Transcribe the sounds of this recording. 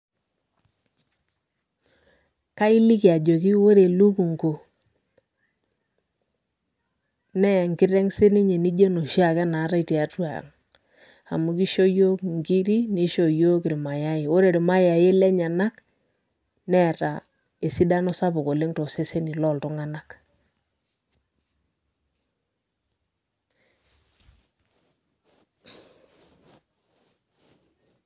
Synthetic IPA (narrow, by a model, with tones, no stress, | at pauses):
ka˦i˦li˦ki˨a˨d͡ʒo˨ki˦wo˦ɾe˨lu˦ku˨ŋɡo˨ | nɛ˦˨ŋkɪ˦ɾɛ˦ŋse˦ni˦ɲe˨ni˦d͡ʒe˦no˨ʃi˦a˨kɛ˦na˨˦ɾa˦i˨ti˨a˨˦twa̰˨ŋ | a̰˨mu˨ki˦ʃo˦jo˦kŋɡi˦ɾi˦ni˦ʃo˨jo˦kɪ˨ɾi˨ma˨ja˦jɪ˨o˦ɾe˨ɾi˨ma˦ja˨je˦lɛ˦ɲa˨na˦k | nɛ˦ɾa̰˨ | e˨si˦da˦nɔ˦sa˦bʊ˨ko˨le˦ŋto˨se˦se˦ni˨lɔ˦˨ltʊ˦ŋa˦na˦k